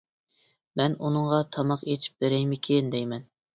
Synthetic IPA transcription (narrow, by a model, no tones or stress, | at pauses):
mɛnunɨŋʁɑt̪ʰɑmɑqet͡ʃ̪ʰi̥p̚beɾɛjmɪkʲʰend̪ɛjmɛn